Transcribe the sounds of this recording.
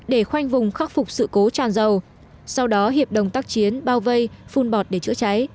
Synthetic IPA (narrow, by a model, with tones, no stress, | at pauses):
ɗe˧˩xwa˧jŋ̟vʊ˨˩ŋ͡mxa˦˥k̚fʊ˨˩k͡p̚sɨ̰˧˨ko˨˦t͡ɕaː˨˩nzə˨˩w | sa˧wɗɔ˨˦ɦi˨˩əp̚ɗə˨˩wŋ͡mt̪aː˦˥k̚t͡ɕi˨˦ənɓaː˧wvə˧jfu˧nɓɔ˨˩t̚ɗe˧˩t͡ɕɨ̰˧˥ət͡ɕa˨˦j